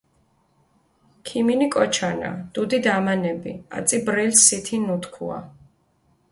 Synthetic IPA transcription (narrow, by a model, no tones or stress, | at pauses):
kʰiminikʼɔt͡ʃʰana̰d̪̥ud̪id̪amanɛbḭa̰t̪sʼibɾɛlsit̪ʰinut̪ʰkʰṵa̰